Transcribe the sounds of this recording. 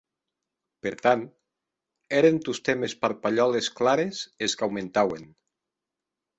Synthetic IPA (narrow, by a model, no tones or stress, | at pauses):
peɾt̪ant̪ | eɾent̪ust̪emespaɾpaʎɔlesklaɾezeskawmẽnt̪awen